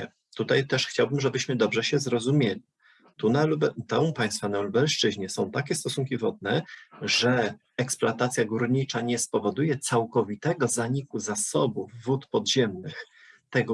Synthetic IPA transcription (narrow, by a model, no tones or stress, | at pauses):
ɛ | t̪ut̪ajt̪ɛʂxt͡ɕawbɘmʐɛbɘɕmɘd̪ɔbʐɛɕɛzɾɔzumʲjelʲi | t̪unalubt̪ɛ̃w̃paj̃st̪fanalubɛlʂt͡ʂɘʑɲɛsɔ̃w̃t̪akʲɛst̪ɔsuŋkʲivɔd̪̚nɛʐɛ | ɛksplat̪at̪sʲjaɡuɾɲit͡ʂaɲɛspɔvɔd̪ujɛt̪sawkɔvʲit̪ɛɡɔzaɲikuzasɔbuvːut̪pɔd̪ʑɛmnɘx | t̪ɛɡɔ